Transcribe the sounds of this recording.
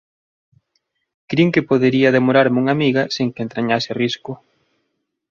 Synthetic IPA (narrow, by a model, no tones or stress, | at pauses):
kɾiŋkɪpoðeɾiaðemoɾaɾmuŋamiɣɐseŋkent̪ɾaɲasɪriskʊ